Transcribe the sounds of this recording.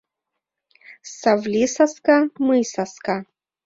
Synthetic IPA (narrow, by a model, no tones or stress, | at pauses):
savlʲisaskamɨjsaska